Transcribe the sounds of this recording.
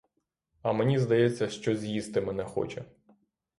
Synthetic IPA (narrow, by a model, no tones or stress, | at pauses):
ɐmenʲizd̪ɐjɛt͡sʲːɐʃt͡ʃɔzʲjist̪ɪmɛnɛxɔ̰t͡ʃɛ̰